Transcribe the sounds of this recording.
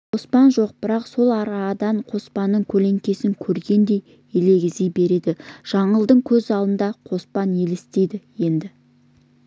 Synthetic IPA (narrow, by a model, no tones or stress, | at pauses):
qʰo̞spɑnʒo̞q̚b̥ɪɾɑqso̞lˠɑɾɑd̪ɑɴqʰo̞spɑnːəɴkʲʰɵle̞ŋkʲe̞sɪŋkʲʰɵɾɡʲe̞nd̪e̞j | ele̞ɡʲɪzijbe̞ɾe̞d̪ɪʒ̥ɑɴəlˠd̪əɴkʲʰɵzɑlˠənd̪ɑqʰo̞spɑne̞lɪst̪e̞jd̪ɪje̞nd̪ɪ